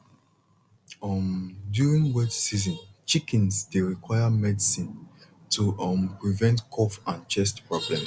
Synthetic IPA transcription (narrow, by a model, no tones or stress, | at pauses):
ʌmdjuɹĩŋwɛtsizɔ̃nt͡ʃikɛ̃nsdeɹikʰwaɪjamɛdisĩn | tʰuʌmpɹivɛ̃ntkʰɔfãnt͡ʃɛstpɹɔblɛ̃ms